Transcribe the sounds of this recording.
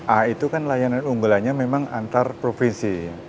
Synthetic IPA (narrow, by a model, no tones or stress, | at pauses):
ʔahit̪ukanlajananuŋɡulaɲamemaŋa̰nt̪arpɾofinsija